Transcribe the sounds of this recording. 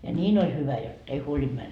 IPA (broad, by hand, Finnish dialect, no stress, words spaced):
jɑ nʲiːn olʲ hyʋæ jot ei huolind̥ mæn